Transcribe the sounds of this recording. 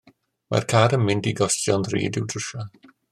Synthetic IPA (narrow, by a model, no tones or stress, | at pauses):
ma̰rkʰaːdəmːɪndiɡɔstjɔnðrḭːdɪwdrəʃa